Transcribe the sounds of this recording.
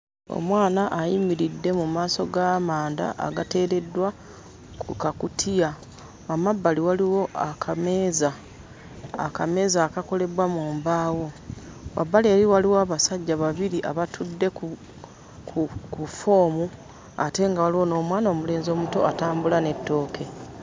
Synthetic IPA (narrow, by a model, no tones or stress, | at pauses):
o̰mwaːnaʔːjimiɾidːe̞mumaːso̞ɡaːmaːnda̰ʔa̰ɡate̞ːɾe̞dːwa | kʰukakutʰija | wamabːaliwaliwo̞ʔakʰame̞ːza̰ː | kame̞ːzaːkako̞le̞βwamuːmbaːwo̞ | wʔa̰bːaleːɾiwaliwoaβasaɟːaβaβiɾiʔa̰βatʰudːe̞k | kʰkufo̞ːmu | ate̞ŋɡawaliwo̞no̞ːmwaːno̞ːmule̞ːnzio̞ːmuto̞̰ataːmbulane̞tːo̞ːkʰe̞